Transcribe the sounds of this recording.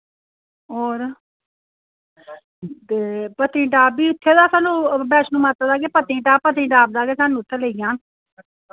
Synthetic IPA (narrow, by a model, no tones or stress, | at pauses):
ɦoːɾ | t̪eːpət̪ɾĩːʈaːbiːʊt̪ʰːeːd̪aːsaːnũːbɛːt͡ʃnũːmaːt̪ːəd̪aːɡeːpət̪ĩːʈaːpət̪ɾĩːʈaːb̚d̪aːkeːsaːnũːʊt̪ʰːeːleːijãːn